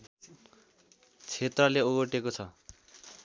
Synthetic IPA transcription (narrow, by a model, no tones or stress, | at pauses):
t͡sʰet̪rʌleoɣoʈekot͡sʰʌ